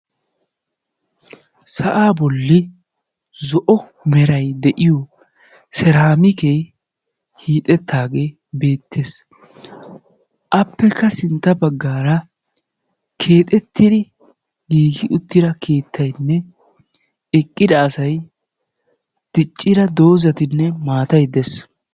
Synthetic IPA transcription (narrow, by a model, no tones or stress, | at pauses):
sɐʔaːbɔlːɪ | zɔʔɔ | mɛɾɐjd̪ɛʔɪjɔ | sɛɾaːmɪkeː | hiːt̪ʼɛt̪ʰːaːɡeː | be̞ːt̪ʰːeːs | ʔɐpːɛkːɐsɪnt̪ːɐbɐɡːaːɾɐ | kʰe̞ːt̪ʼɛt̪ːɪd̪ɪ | ɡiːɡɪʔʊt̪ːɪd̪ɐkʰe̞ːt̪ːɐjnːɛ | ɛkʼːɪd̪ɐːsɐj | d̪̥ɪt͡ʃʼːɪɾɐd̪o̞ːzɐt̪ɪnːɛmaːt̪ɐjd̪ɛs